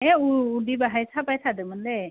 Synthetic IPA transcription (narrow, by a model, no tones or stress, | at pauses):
ẽuːd̪ibaɦajt͡sʰapajt̪ʰad̪ɯmənle